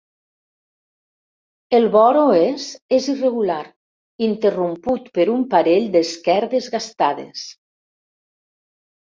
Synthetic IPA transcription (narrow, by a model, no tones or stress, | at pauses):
elˠβɔɾoezezireɣulaɾ | int̪erumput̪pəɾumpaɾeʎd̪eskɛɾðezɣast̪aðḛs